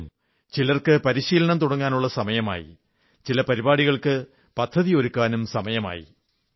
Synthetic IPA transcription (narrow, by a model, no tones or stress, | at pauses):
m | t͡ɕilɐrkɨpɐɾiɕiːlɐɳɐmt̪uɽɐŋːaːnuɭːɐsɐmɐjɐma̰ːjḭ | t͡ɕilɐpɐɾibaːɽiɣɐɭkɨ | pɐt̪ʰːɐðio̞ɾukːaːnumsɐmɐjɐma̰ːjḭ